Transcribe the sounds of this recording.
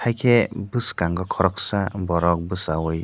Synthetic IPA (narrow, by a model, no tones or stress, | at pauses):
hajkʰebɯskaŋɡɯkʰɔɾɔksabɔɾɔk̚bɯsawɯj